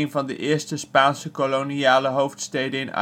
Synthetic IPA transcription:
ɪŋvɑndə̰ʔɪːɹstəspaːnsəkoloniaːləɦowftstejdəɪna̰

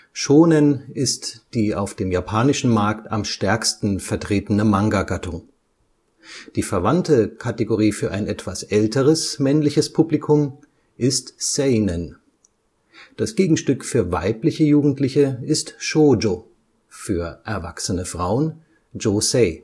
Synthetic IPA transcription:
ʃoːnənʔɪstd̥iːa̰ʊfd̥eːmjapʰaːnɪʃn̩maɐkta̰mʃtɛɐkstn̩fɛɐtʁ̥eːtənəmaŋɡaɡatʰʊŋ | d̥iːfɛɐvantəkʰateɡoʁiːfyːɐʔa̰ɪnʔɛtv̥asʔɛltəʁ̞əsmɛnlɪçəspʰuplikʰʊm | ʔɪstsɛɪnən | d̥asɡ̥eːɡŋ̩ʃtʏkfyːɐva̰ɪplɪçəjuːɡŋ̩tlɪçəɪstʃoːd͡ʒo | fyːɐʔɛɐva̰ksənəfʁ̥aʊən | d͡ʒoseː

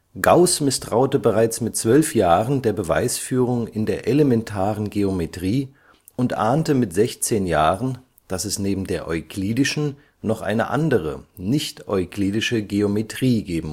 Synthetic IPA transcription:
ɡ̥aʊsmɪstʁ̥aʊtəbəʁaɪt͡smɪt̚t͡sv̥œlfjaːʁəndeːɐbəva̰ɪsfyːʁʊŋɪndeːɐʔelemɛntʰaːʁənɡeometʁ̥iː | ʊntʔa̰ːntəmɪtz̥ɛçt͡seːnjaːʁən | d̥asɛsneːbm̩deːɐʔɔʏkʰliːdɪʃn̩ | nɔχʔa̰ɪnə̰ʔa̰ndəʁ̞ə̰nɪçtʔɔʏkliːdɪʃəɡeometʁ̥iːɡeːbm̩

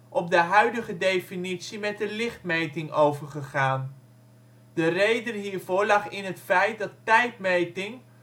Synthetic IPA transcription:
ʔɔb̚dəɦœɥdəχədejfinitsimɛt̚dəlɪχt̚mejtɪŋowvəɹχəχaːn | dərejdənɦiːɹvʊːɹlɑχɪnɦətfɛjt̚dɑtːɛjtmejtɪŋ

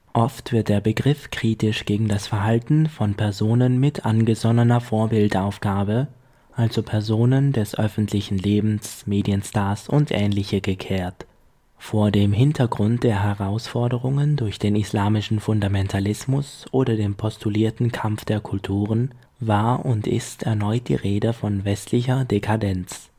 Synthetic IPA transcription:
ʔɔftv̥ɪɐt̚d̥eːɐbəɡʁɪfkʁ̥iːtɪʃɡ̥eːɡŋ̩dasfɛɐɦaltn̩fɔnpʰɛɐzoːnənmɪtʰʔanɡəzɔnənɐfoːɐbɪltaʊfɡ̥aːbə | ʔalzopʰɛɐzoːnəndɛsʔœ̰fn̩tʰlɪçn̩leːbm̩smeːdiənstaːɐsʊntʔɛːnlɪçəɡəkʰɛːɐt | foːɐdeːmɦɪntʰɐɡʁʊnt̚d̥eːɐɦɛʁaʊsfɔɐdəʁ̞ʊŋəndʊɐçd̥eːnislaːmɪʃn̩fʊndamɛntʰalɪsmʊsʔoːdɐdeːnpʰɔstʰuliːɐtn̩kʰamfd̥eːɐkʰʊltʰuːʁ̞ən | vaːɐʔʊntɪ̰stɛɐnɔʏt̚d̥ḭːʁeːdəfɔnvɛstʰlɪçɐdekʰadɛnt͡s

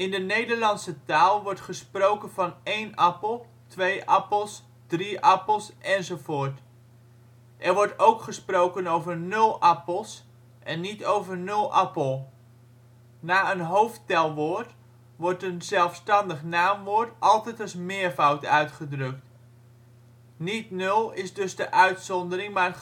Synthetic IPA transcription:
ɪndənejdəɹlɑnsətaːlˠʋɔɹtχəsprowkənvɑnejnɑpəlˠ | tʋejʔɑpəlˠs | d̥riʔɑpəlˠsʔɛnzowvoːɹt | ʔɛɹʋɔɹtowkχəsprowkənowvəɹnɵlˠɑpəlˠs | ʔɛnːitowvəɹnɵlˠʔɑpəlˠ | naːənɦowftɛlˠʋoːɹt | ʋɔrtənzɛlˠfstɑndəχnaːmʋoːɹtʔɑlˠtɛjtɑsmɪːəɹfawtœɥtχədrɵkt | nitnɵlˠɪzdɵzdəʔœɥtsɔndərɪŋmaːr

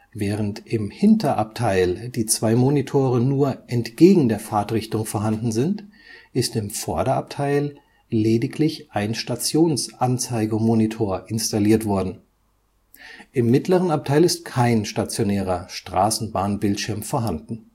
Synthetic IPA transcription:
vɛːʁəntʔɪmhɪntʰɐʔap̚tʰaɪld̥iːt͡sv̥aɪmonitʰoːʁənuːɐʔɛntɡ̥eːɡŋ̩deːɐfaːɐtʁɪçtʊŋfoːɐɦandn̩zɪntʔɪstɪmfɔɐɾɐʔap̚tʰaɪl | leːdɪklɪçʔaɪnʃtat͡sjoːnsʔant͡saɪɡəmonitʰoːɐʔɪnstaliːɐtv̥ɔɐdn̩ | ʔɪmːɪtləʁənap̚tʰaɪlɪstkʰaɪnʃtat͡sjonɛːʁɐʃtʁ̥aːsn̩baːnbɪltʃɪɐmfoːɐɦandn̩

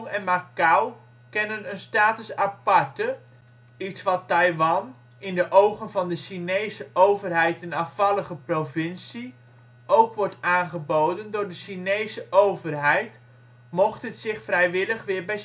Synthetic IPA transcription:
ŋɛnmakaw | kɛnənənstaːtəsapɑɹtə | itsʋɑtːɑjʋɑn | ɪndəʔowχənvɑndəʃinejsəʔowvərɦɛjtɛnɑfɑlˠəχəprovɪnsi | ʔowkʋɔɹtaːnχəbowdəndʊːɹdəʃinejsəʔowvərɦɛjt | mɔχtɦətsɪχfrɛjʋɪləχʋɪːɹbɛ

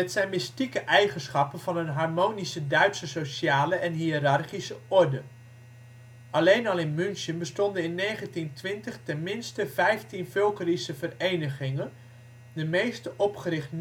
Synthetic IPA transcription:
ɛtsɛjnmɪstikəʔɛjχənsχɑpənvɑnənɦɑɹmownisədœɥtsəsoʃaːləʔɛnɦiərɑrχisəɔɹdə | ɑlejnɑlˠɪnmʏnʃənbəstɔndənɪnːejχəntintʋɪntəχtɛnmɪnstəvɛjftinfʏlˠkərisəvərejnəχɪŋən | dəmejstəʔɔpχərɪχt

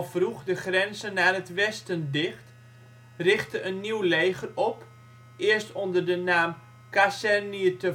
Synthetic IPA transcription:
fruxdəχrɛnzənaːrətʋɛstəndɪxt | rɪχtəʔənːiwleːɣərɔp | ʔɪərstondərdənaːm | kasɛrniətə

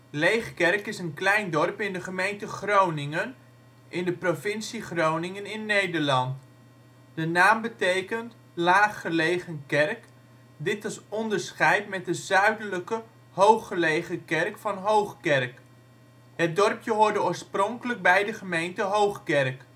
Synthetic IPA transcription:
lejχkɛrkɪsənklɛjndɔrpɪndəχəmejntəχrownɪŋən | ʔɪndəprovɪnsiχrownɪŋənɪnːejdəɹlɑnt | d̥ənaːmbətejkənt | laːχːəlejχənkɛrk | dɪtɪsɔndəɹsχɛjtmɛt̚dəzœɥdələkə | howχːəlejχəkɛrkfɑnɦowχkɛrk | hət̚dɔrpjəɦʊːɹdəʊːɹsprɔŋkələɡ̚bɛjdəχəmejntəɦowχkɛrk

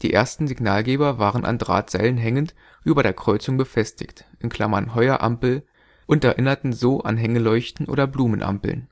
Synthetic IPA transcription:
d̥iːʔeːɐstn̩zɪɡnaːlɡeːbɐvaːʁənʔa̰ndʁa̰ːtz̥aɪlənɦɛŋənt | ʔyːbɐɾeːɐkʁ̥ɔʏt͡sʊŋbəfɛstʰɪ̰çtʔɪnkl̥amɐnɦɔʏɐʔa̰mpl̩ | ʔʊntɛɐʔɪnɐtn̩zoːʔa̰nɦɛŋəlɔʏçtn̩ʔo̰ːdɐbluːmənʔa̰mpl̩n

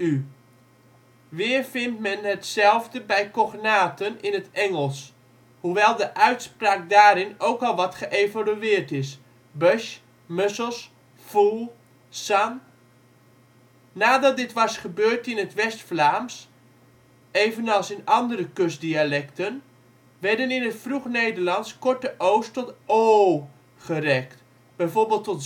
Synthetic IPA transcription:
y | ʋɪːrfɪntmɛnətsɛlˠvdəbɛjkɔχnaːtənɪnətɛŋəlˠs | huʋɛlˠdəʔœɥtspraːk̚daːɾɪnowkɔlˠʋɑtχəʔevalyɪːrtɪs | bøʃ | møsəlˠs | fulˠ | san | naːdɑt̚dɪtʋɑsχəbøːrtɪnətʋɛstflaːms | eːvənɑlˠsɪnɑndərəkøsdialɛktən | ʋɛɹdənɪnətfruχnejdərlɑnskɔɹtəʔowstɔtoː | χərɛkt | b̥ɛjvorbeːlˠtːɔt

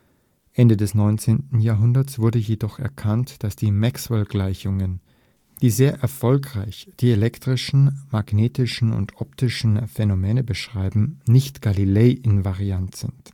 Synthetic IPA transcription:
ʔɛndədɛsnɔʏnt͡seːntn̩jaːɐɦʊndɐt͡sv̥ʊɐdəjedɔχɛ̰ɐkʰantd̥asd̥iːmɛkswɛlɡlaɪçʊŋən | d̥iːzeːɐʔɛɐfɔlkʁ̥aɪçd̥iːelɛktʁ̥ɪʃn̩maɡneːtɪʃn̩ʊ̰ntʔɔp̚tɪʃn̩fɛnomɛːnəbəʃʁ̥aɪbm̩nɪçtɡ̥alileːʔɪnvaʁiantz̥ɪnt

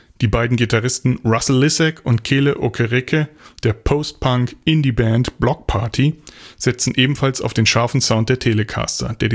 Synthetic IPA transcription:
d̥iːbaɪdn̩ɡitaʁɪstn̩ʁasl̩ːɪsɛkʰʊntkʰeːləʔo̰kʰəʁɪkʰəd̥eːɐpʰoʊst̚pʰaŋkɪndiːbɛntb̥lɔk̚pʰaɐtʰiz̥ɛt͡sn̩ʔeːbm̩falsa̰ʊfd̥eːnʃaɐfn̩zaʊnt̚d̥eːɐtʰeːləkʰa̰ːstɐ̰d̥eːɐdi

